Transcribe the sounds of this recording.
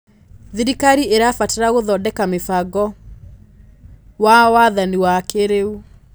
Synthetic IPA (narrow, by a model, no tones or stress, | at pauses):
ðiɾikaɾieɾafateɾaɣoðɔdɛkamefaɡɔ | wawaðaniwakeɾeu